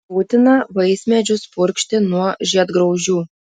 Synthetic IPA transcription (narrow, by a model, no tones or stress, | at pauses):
buːt̪ʲɪnɐʋɐɪsʲmʲɛd͡ʒʲʊspʊɾʲkʃʲt̪ʲɪnuɔʒʲiɛd̪ɡɾɐʊʒʲuː